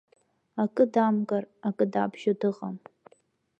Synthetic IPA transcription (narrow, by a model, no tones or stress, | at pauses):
akʼɨdamɡʼarakʼɨdabʒodɨʁa̰m